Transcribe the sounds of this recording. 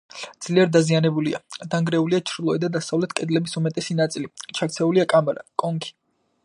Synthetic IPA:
d̪z̥liɛɾd̪azianɛbulia̰d̪aŋɡɾɛuliat͡ʃʰɾilˠɔɛd̪ad̪asavlɛt̪ʰkʼɛd̪lɛbisumɛt̪ʼɛsinat̪sʼilit͡ʃʰakt̪sʰɛuliakʼamaɾa̰kʼɔŋkʰi̥

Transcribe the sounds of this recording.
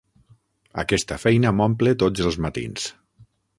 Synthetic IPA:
ə̰kɛst̪əfɛjnəmɔmplet̪od͡zəlˠzmat̪ḭns

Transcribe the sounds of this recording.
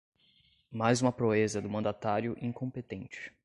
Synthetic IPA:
majzũmɐpɾoezɐd̪ʊmɐ̃nd̪at̪aɾjʊʔĩŋkõpet̪ẽnt͡ʃɪ̥

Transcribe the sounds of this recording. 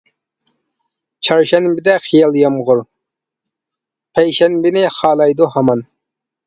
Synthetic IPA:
t͡ʃʰɑɾʃɛnbɪd̪ɛχijɑlˠjɑmʁʊɾ | pʰɛjʃɛnbɪnɪχɑːlˠɑjd̪uhɑmɑn

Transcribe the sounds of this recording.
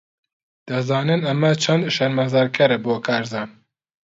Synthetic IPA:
d̪̥ɐzɑːnɨnɐmɛt͡ʃʰɛnd̪ʃɐɾmɐzɑːɾkʰɛɾɛboːkʰaːɾzɑːn

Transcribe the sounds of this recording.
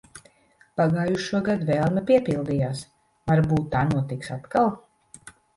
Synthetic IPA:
paɡaːjuʃuɔɡad̪vɛːlˠnɛpiɛpilˠd̪ijaːs | vaɾbuːt̪ːaːnuɔt̪iksat̪kalˠ

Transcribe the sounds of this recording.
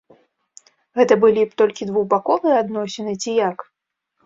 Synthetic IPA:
ɣɛt̪ɐbɨlʲipt̪ɔlʲkʲid̪vuwbakɔvɨjɛad̪nɔsʲɛnɨt͡sʲijak

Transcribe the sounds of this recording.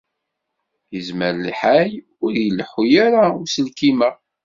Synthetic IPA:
jəzməɾliħaj | ʊɾjəlːħujaɾaʊsəlkimə

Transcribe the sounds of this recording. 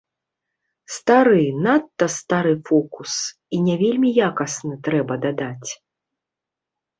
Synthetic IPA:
st̪aɾɨnat̪ːɐst̪aɾɨfɔkus | inʲɛvʲelʲmʲijakɐsnɐt̪ɾɛbɐd̪ad̪at͡sʲ

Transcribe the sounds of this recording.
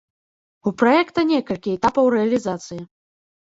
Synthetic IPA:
upɾɔjɛkt̪ɐnʲɛkɐlʲkʲiɛt̪apɐwrɛɐlʲizat̪sɨji

